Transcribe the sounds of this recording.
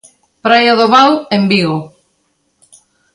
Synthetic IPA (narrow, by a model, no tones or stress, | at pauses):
pɾajaðoβalembiɣo